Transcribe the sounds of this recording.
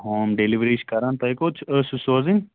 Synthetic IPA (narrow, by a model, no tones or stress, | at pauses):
ɦoːmɖeliʋɾiːʃkɐɾant̪ɐjkoːt͡ʃʰəsusoːzinʲ